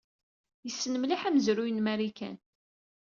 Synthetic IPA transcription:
jəsːnəmliħæmzɾujənmæɾikæ̰n

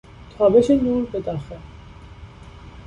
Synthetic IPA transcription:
t̪ʰɒːbeʃenuːɾbed̪ɒxe

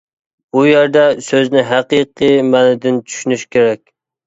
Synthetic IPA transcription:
bujeɾd̪ɛsøznɪɦæqiqɨmænɪd̪ɪnt͡ʃʰy̥ʃynyʃkʲeɾɛkʲ

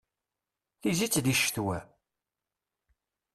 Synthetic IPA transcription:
θizit͡sːd̪iʃθwæ

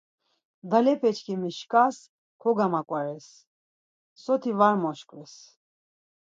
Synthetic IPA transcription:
d̪alɛpʰɛt͡ʃʰkʰimiʃkʼas | kʰɔɡamakʼwaɾɛsː | ɔt̪ʰivaɾmɔʃkʼvɛs

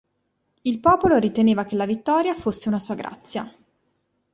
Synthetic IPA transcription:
ilpɔːpoloɾit̪eneːvak̟elːavit̪ːɔːɾjafosːeunasuːaɡɾa̰t̪sːja

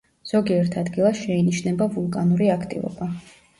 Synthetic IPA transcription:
z̥ɔɡiɛɾt̪ʰad̪ɡilˠaʃɛiniʃnɛbavulˠkʼanuɾiakʰt̪ʼḭvɔ̰ba

